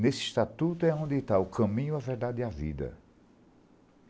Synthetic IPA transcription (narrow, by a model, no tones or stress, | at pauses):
nesɪʃt̪at̪ut̪ʊɛõnd̪ɪt̪aʊkʰɐ̃mĩɲʊavɛɾd̪ad̪ɪavḭd̪ɐ̰